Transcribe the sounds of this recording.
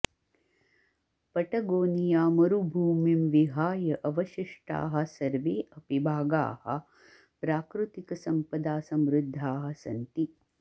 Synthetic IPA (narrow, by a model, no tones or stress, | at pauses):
pɐʈɐɡoːnijaːmɐɾubʱuːmimʋiɦaːjɐʔɐʋɐʃiʂʈa̰ːɦɐ̆sɐɾʋeːʔɐpibʱaːɡa̰ːhɐ̰̆ | pɾaːkɾut̪ikɐsɐmpɐd̪aːsɐmɾud̪ʱːaːɦɐ̆sɐ̰nt̪i